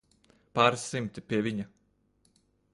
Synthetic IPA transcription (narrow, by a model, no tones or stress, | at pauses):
paːɾisimt̪ipʲiɛvʲiɲa